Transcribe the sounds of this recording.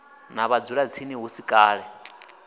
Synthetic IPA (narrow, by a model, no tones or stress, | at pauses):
naβad͡zuɺat͡sʰiniɦusikʼaːɺɛ